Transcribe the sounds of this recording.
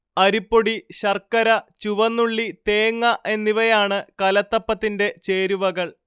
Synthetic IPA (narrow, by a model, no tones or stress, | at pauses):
ɐɾipːoɽiɕɐrkːɐɾɐt͡ɕuʋɐnːuɭːit̪e̞ːŋːɐʔe̞nːiʋɐjaːɳɨkɐlɐt̪ːɐpːɐt̪ːinde̞t͡ɕe̞ːɾuʋɐɣɐɭ